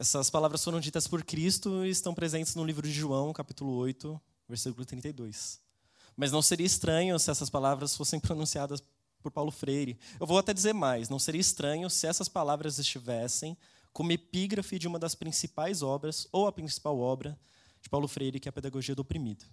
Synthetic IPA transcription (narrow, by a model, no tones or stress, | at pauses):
ɛsɐspalavɾɐsfoɾɐ̃w̃d͡ʒit̪ɐspoɾkɾist̪ʊɪst̪ɐ̃w̃pɾezẽnt͡ʃɪznʊlivɾʊd͡ʒɪʒuɐ̃w̃kapit̪ulʊojt̪ʊ | veɾsikʊlʊt̪ɾĩnt̪ejd̪ojs | mɐznɐ̃w̃seɾiɐɪst̪ɾɐ̃ɲʊsɪɛsɐspalavɾɐsfosẽj̃pɾonũsiad̪ɐs | poɾpawlʊfɾejɾɪewvowat̪ɛd͡ʒɪzeɾmajsnɐ̃w̃seɾiɐɪst̪ɾɐ̃ɲʊsɪɛsɐspalavɾɐzɪst͡ʃivɛsẽj̃ | kõmʊepiɡɾɐfɪd͡ʒɪũmɐd̪ɐspɾĩsipajzɔbɾɐzowɐpɾĩsi̥pawɔbɾɐ | d͡ʒɪpawlʊfɾejɾɪkɪɛɐped̪aɡoʒiɐd̪opɾimid̪ʊ